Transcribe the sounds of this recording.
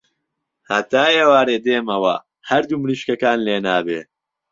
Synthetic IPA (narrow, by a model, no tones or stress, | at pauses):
hɐt̪aːjeːwaːɾeːd̪eːmɐwɐ | hɐɾd̪umɾiʃkɐkaːnleːnaːbeː